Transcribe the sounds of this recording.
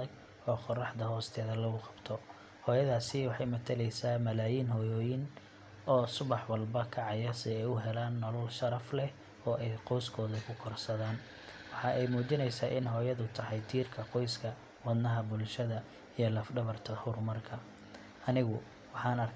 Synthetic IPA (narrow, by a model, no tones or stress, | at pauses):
ɐɡ | ɔːqɔrɑħd̪ɐɦɔːst̪ʰɛːðɐlɐɣʊqɑbt̪ʰɔ | hɔːjɐðaːsɪwɑħɑjmɐt̪ʰɐlɛjsaːmɐlaːjiːnɦɔːjɔːjɪn | ʔɔːsʊβɑħwɑlbɐkʰɐʕɑjɐsɪɛjʊɦɛlaːnːɔlɐlʃɐɾɐflɛ | ɔːʔɛjqɔjskʰɔːðɐkʰʊkʰɔrsɐðaːn | wɑħɑɛjmuːt͡ʃɪnɛjsaːʔɪnɦɔːjɐðʊt̪ʰɐħɑjt̪ʰiːrkʰɐqɔjskʰɐ | wɐd̪nɐɦɐbʊlʃɐðɐ | ijɔlɐfɖɐβɐrt̪ʰɐhʊrmɐrkʰɐ | ɐnɪɣʊ | wɑħɑːnɐrkʰ